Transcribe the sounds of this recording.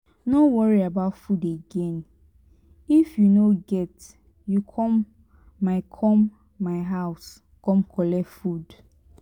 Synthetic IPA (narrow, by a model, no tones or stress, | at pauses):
nowɔɹiabaʊtfudeɡẽn | ifjunoɡɛt | jukʰɔ̃mː | aɪkʰɔmː | aɪɦaʊs | kɔ̃mkʰɔlɛfud